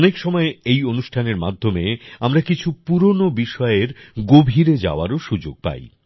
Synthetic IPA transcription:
nekʃɔmɔeejonuʃʈʰaneɾmad̪ʱːomeamɾakit͡ɕʰupuɾonobiʃɔeɾɡobʱiɾed͡ʑa̰oaɾoʃud͡ʑo̰ɡ̚pa̰j

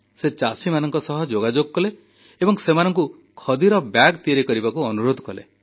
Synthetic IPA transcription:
set͡ʃasimanɔŋkɔsɔɦɔd͡ʒoɡad͡ʒoɡɔkɔleː | bɔŋsemanɔŋk̬u | kʰɔd̪iɾɔbjaɡt̪ieɾikɔɾibakuɔnuɾod̪ʱɔkɔlḛ

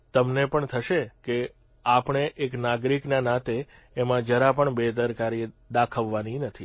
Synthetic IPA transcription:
t̪əmnepəɳt̪ʰəʃeke | apəɳeʔeknaɡɾiknanat̪eː | mãd͡ʒəɾapəɳbet̪əɾkaɾd̪akʰəʋːaninət̪ʰi

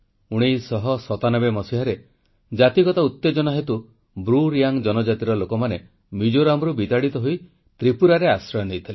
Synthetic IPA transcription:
uɽ̃ijsɔɦɔsɔt̪anɔbemɔsiɦaɾe | d͡ʒat̪iɡɔt̪aut̪ːed͡ʒɔnɔɦet̪u | bɾuɾijaŋd͡ʒɔnɔd͡ʒat̪iɾɔlokɔmane | mid͡ʒoɾamɾubit̪aɽit̪ɔɦoi | t̪ɾipuɾaɾeasɾɔjɔnejt̪ʰili

